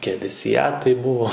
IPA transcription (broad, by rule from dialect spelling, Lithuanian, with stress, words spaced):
kʲɛˈlʲɪ sʲɪˈjæːtɐɪ ˈbʊʋoː